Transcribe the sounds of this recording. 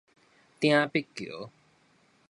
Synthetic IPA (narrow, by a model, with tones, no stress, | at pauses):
t̪ĩã˧pi˦kːi˨o̰˨